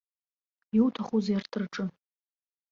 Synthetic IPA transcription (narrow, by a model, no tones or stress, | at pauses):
iwtʰaχuzajartʰɨrʈ͡ʂʼɨ